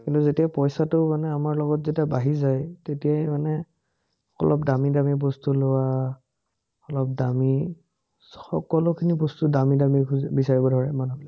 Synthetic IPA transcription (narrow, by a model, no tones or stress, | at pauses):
kintuzetijapɔjsatʊmanɛamaɹlɔɡɔtzetiabaɦizajtetijajmanɛ | ɔ̰lɔpdamidamibɔstulowa | ɔlɔp̚dami | xɔ̰kɔlʊkʰinibɔstudamidamikʰubisaɹibɔdʱɔɹɛmanublɛ